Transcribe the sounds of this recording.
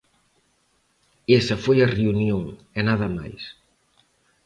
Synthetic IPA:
esɐfojɐreunjoŋ | ɛnaðɐma̰js

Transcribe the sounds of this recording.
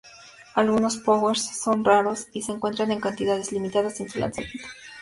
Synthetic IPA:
alɣuno̞spoweɾsːo̞nraɾo̞sise̞ːŋkwe̞nt̪ɾane̞ŋkant̪iðað̞e̞zlimit̪aðasensula̰nsamje̞nt̪o̥

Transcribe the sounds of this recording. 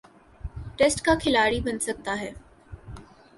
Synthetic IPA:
ʈɛːsʈkakʰɪlaːɽibɐnsɐk̚t̪aɦɛː

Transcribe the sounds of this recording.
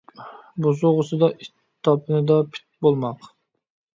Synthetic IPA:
bozʊʁəsɨd̪ɑʔit̪ | t̪ʰːɑpʰɨnɨd̪ɑpʰi̥t̪̚bolˠmɑq

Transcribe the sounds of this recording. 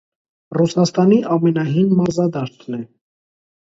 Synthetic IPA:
rusɑst̪ɑniʔɑmɛnɑɦinmɑɾzɑd̪ɑʃt̪nɛ

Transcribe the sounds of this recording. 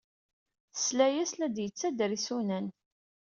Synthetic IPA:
θslæjæslæd̪jət͡sːæd̪əɾisunæn

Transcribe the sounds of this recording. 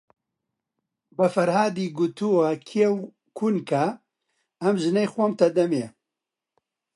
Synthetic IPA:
bɐfɐɾhaːd̪iːɡut̪uwakʰijɛw | kʰunka | ɐmʒɨnejxwɔmt̪ɐd̪ɐmee

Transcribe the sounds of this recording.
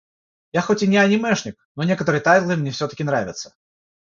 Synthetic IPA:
jaxotʲɪnʲɪɐnʲɪmɛʂnʲɪk̚nonʲekət̪əɾɨjt̪ajt̪lˠɨmnʲefsʲɵt̪ə̥kʲɪnɾavʲɪt̪sːə̥

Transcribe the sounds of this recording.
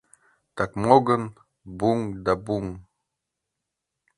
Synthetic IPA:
t̪akmoɡən | buŋd̪abuŋ

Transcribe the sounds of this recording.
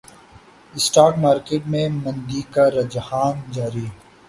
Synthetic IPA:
ɪsʈaːkmaːɾkeːʈmẽmɐ̃nd̪ikaɾɐd͡ʒhaːnd͡ʒaːɾi

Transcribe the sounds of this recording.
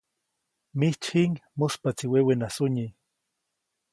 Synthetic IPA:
miht͡ʃhiŋmospat͡siwewenasuɲi

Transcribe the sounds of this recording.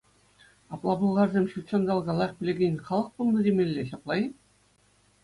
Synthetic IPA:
ɑplˠɑbɤlˠʁɑrzʲemʲɕulʲt͡ɕond̪ɑlˠɡɑlˠɑχʲpʲlʲeɡʲenʲχɑlˠɤ̆q̚pulˠnɤd̪ʲemʲelʲːeɕɑplˠɑj

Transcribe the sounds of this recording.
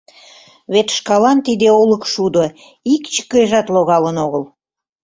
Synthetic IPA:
βet̪ʃkɑlɑnt̪id̪eoləkʃud̪o | ikt͡ɕə̥kəeʒɑt̪loɣɑlənoɣəl

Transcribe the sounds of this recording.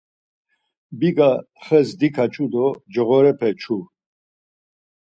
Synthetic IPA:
biɡa | χɛzd̪ikʰat͡ʃʰud̪ɔd͡ʒəʁɔɾɛpʰɛt͡ʃʰu

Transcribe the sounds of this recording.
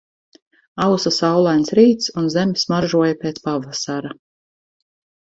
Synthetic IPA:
awsasawlˠajnsɾiːt̪sunzemismaʒuɔjapeːt̪spavasaɾa

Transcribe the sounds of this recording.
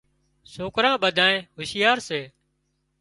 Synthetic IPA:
soːkɾãːɓəd̪ʱãːnẽːɦʊsɪjaːɾseː

